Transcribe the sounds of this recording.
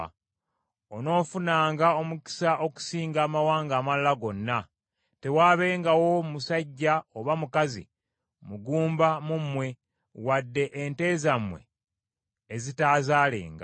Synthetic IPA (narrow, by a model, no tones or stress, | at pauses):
ono̞ːfunaːŋɡao̞muki̥saʔo̞ku̥siːŋɡaːmawaːŋɡaːmalːaɡo̞nːa | te̞waːβe̞ːŋɡawo̞mmusaɟːaoβamukazḭ | muɡuːmbamumwe̞ | wadːe̞ʔːnte̞ːzamwe̞̰ː | zitaːzaːlḛːŋɡa̰